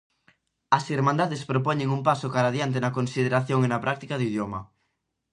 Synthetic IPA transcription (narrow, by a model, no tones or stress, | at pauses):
ɐsiɾmãnd̪aðespɾopɔɲeŋumpasokaɾaðjant̪̬enɐkonsiðeɾaθjoŋenɐpɾʔak̚t̪ikaðoið̞joma